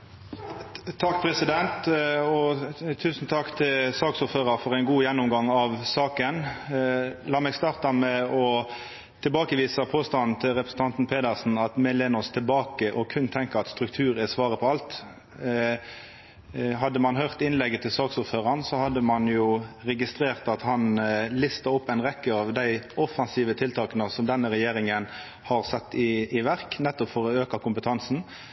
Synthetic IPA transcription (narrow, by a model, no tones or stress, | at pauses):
t̪ʰɑkːpʰɾɛsɪd̪ɛnt̪ɔt̪ʰʉːsn̩t̪ʰɑkːt̪ʰɪlsɑːksʊɾføːʁɑɾfɔʁæɪnɡuːjɛnːʊmɡɑŋɑʋsɑːkən | lɑːmɛɡst̪ɑːʁt̪ɑmɛɔ | t̪ʰɪlbɑːkəʋiːsɑpʰoːst̪ɑnn̩t̪ʰɪlʁɛpɾəsn̩t̪ɑnt̪n̩pʰeːd̪əʁsn̩ɑt̪mɛleːnʊst̪ʰɪlbɑːkəʔɔkʰʉnt̪ʰɛŋkəʁɑt̪st̪ɾʉkt̪ʰʉːɾæsʋɑːɾəpʰɔɑlt̪ | ɦɑd̪ːəmɑnɦœʁt̪ɪnlɛɡːət̪ʰɪlsɑːksʊpføːʁɑnsɔhɑd̪ːəmɑnjuːʁɛɡɪst̪ɾeːʁt̪ɑt̪hɑnlɪst̪əɾɔpːæɪnʁɛkːəɑʋd̪æɪʔɔfɑnsiːʋət̪ʰɪlt̪ʰɑːknəsɔmd̪ɛnːəʁɛjeːʁɪŋən | hɑʁsɛt̪ːɪːʋæʁknɛt̪ːɔpfɔɾɔøːkɑkʰʊmpət̪ʰɑnsn̩